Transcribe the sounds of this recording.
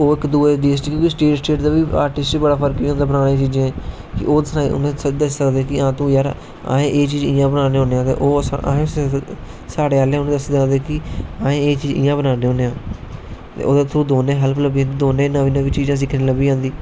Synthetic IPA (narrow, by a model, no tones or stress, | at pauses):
oːɪkd̪uːeːdiːsʈɪkːkiːsʈeːʈsʈeːʈd̪aːʋiːa̰ːɾʈɪst͡ʃbəɽaːpʰəɾkiːõːnd̪aːbənaːɽẽːt͡ʃiːd͡ʒãːẽː | kɪ̰ʔoːsnaːʊ̰nẽːd̪əsːəkd̪eːkɪãːt̪õːjaːɾ | ã̰ːẽːʔeːt͡ʃiːd͡ʒɪːjãːbənaːneːoːneːãːt̪ḛʔoːsa̰ːẽ | saːɽeːaːljãʊnːd̪əsd̪ãːnd̪eːkɪãːẽːeːt͡ʃiːd͡ʒɪ̰̃jãːbənaːneːõːneːãː | t̪ḛːo̰ːd̪eːt̪ʰːɾũːd̪oːnẽːɦəlpʰləbiːãːd̪iːd̪oːnẽːnãːʋiːnãːʋiːt͡ʃiːd͡ʒãːs̬ɪkʰnẽːləbiːãːnd̪iː